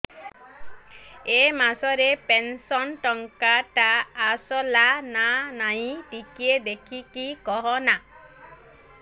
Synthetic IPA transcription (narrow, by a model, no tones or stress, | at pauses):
emasɔɾepensɔnʈɔŋkaʈaːsɔlananaĩʈikied̪ekʰikikɔɦɔna